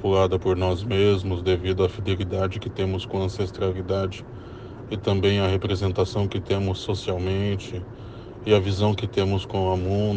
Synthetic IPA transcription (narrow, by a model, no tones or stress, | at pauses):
pulad̪ɐpoɾnɔzmezmʊzd̪evid̪ʊɐfid̪elid̪ad͡ʒɪkɪt̪ẽmʊskõɐɐ̃sest̪ɾalid̪ad͡ʒɪ | ɪt̪ɐ̃mbẽj̃ɐhepɾezẽnt̪asɐ̃w̃kɪt̪ẽmʊsːosiawmẽnt͡ʃɪ | ɪɐvizɐ̃w̃kɪt̪ẽmʊskõw̃ɐmũ